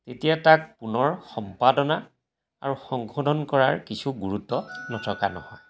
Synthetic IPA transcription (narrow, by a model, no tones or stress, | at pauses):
tetijatak̚punɔɹxɔmpadɔna | a̰ɹuxɔŋkʰodʱɔnkɔɹaɹkisʰuɡuɹutːɔnɔtʰɔka̰nɔ̰hɔj